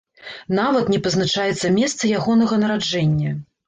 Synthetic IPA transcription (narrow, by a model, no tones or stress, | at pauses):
navɐt̪nʲɛpɐznat͡ʂajɛt̪sːɐmʲɛst̪sɐjaɣɔnɐɣɐnɐɾad͡ʐɛnʲːɐ